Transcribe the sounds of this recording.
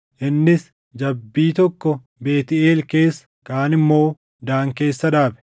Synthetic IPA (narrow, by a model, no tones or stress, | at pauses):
ʔɪnːɪs | d͡ʒɐbːiːt̪ɔkːɔ | be̞ːt̪ɪʔeːlke̞ːs | kaːnɪmːo̞ː | d̪aːŋke̞ːsːɐᶑ̪aːbɛ̥